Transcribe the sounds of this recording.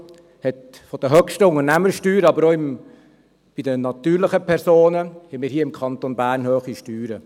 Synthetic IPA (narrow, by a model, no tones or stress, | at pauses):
hɛt | fɔd̥əɦœkʃtəʊŋərnæməɾʃtyːɾəɑbəɾoːɪm | b̥ɪdənɑt̪yːɾlɪχəpʰɛɾsoːnəhɛmiːɾɦiːəɪmkʰɑnt̪onbæːrnhøːχiʃtyːɾə